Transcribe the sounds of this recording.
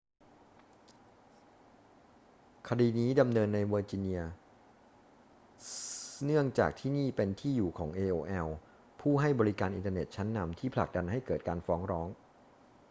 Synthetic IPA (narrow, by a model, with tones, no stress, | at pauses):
kʰa˧diː˧niː˦˥da˧mnɤː˧nːa˧jwəː˧t͡ɕi˧ni˧ɐ | nɯ˥˩əŋt͡ɕa̰ː˨˩k̚t̪ʰiː˥˩niː˥˩pe˧nt̪ʰiː˥˩juː˨˩kʰɔː˩˦ŋʔeː˧ʔoː˧ʔɛ˧w | pʰuː˥˩ɦa˥˩jbɔː˧ɾi˦˥kaː˧nʔi˧nt̪aː˧nḛ˨˩t̪̚t͡ɕʰa˦˥nːa˧mt̪ʰiː˥˩pʰla˨˩k̚da˧nɦa˥˩jkɤː˨˩t̪̚kaː˧nfɔː˦˥ŋɾɔː˦˥ŋ